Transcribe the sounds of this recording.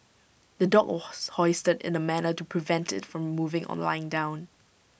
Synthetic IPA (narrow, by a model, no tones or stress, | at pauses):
d̪ədɔkshɔɪstədɪ̰̃nəmænətupʰɹivɛ̃ntɪ̰tfɹɔ̃mːuvɪ̃ŋʔɔ̰̃nla̰ɪɪ̃ŋdãʊ̃n